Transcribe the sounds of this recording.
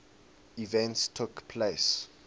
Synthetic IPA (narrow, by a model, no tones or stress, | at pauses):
ivɛ̃ntstʰukpʰles